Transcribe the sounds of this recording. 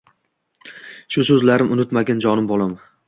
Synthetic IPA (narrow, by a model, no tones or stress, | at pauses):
ʃʊsɵzlaɾɪmʔʊnɪt̪maɡʲand͡ʒɒnɪmbolˠam